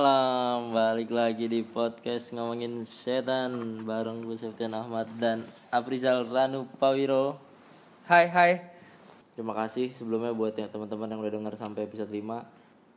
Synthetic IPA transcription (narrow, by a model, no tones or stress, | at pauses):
alambalɪklaɡidipɔt̪̚kasŋamaŋɪnsɛt̪anbaɾaŋəsapat̪ianahmat̪̚dan | apɾisalranupawiɾo | hajɦaj | t̪əɾimakasɪhsəbəlumɲabuat̪̚at̪ːəmənt̪əmənjaŋɾadəŋərsampajpisɔt̪lima